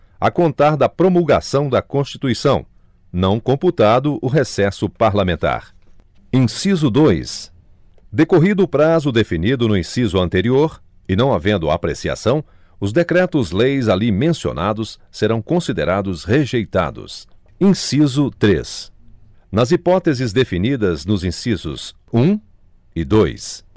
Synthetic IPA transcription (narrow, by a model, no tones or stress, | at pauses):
akõnt̪aɾd̪ɐpɾomulɡa̰sɐ̃w̃d̪ɐkõst͡ʃit̪uisɐ̃w̃ | nɐ̃w̃kõmput̪ad̪ʊʔʊɦesɛsʊpaɾlamẽnt̪a̰ɾ | ĩsizʊd̪ojs | d̪ekoɦid̪ʊːpɾazʊd̪efinid̪ʊnʊĩsizʊɐ̃nt̪eɾioɾ | ɪnɐ̃w̃avẽnd̪ʊa̰pɾḛsia̰sɐ̃w̃ | ʊzd̪ekɾɛt̪ʊzlejzalimẽsio̰nʔad̪ʊsːeɾɐ̃w̃kõsid̪eɾad̪ʊsheʒejt̪a̰d̪ʊ̰s | ĩsizʊt̪ɾḛs | nɐzipɔt̪ezɪzd̪efinid̪ɐznʊzĩsizʊ̰s | ũ | ɪd̪ojs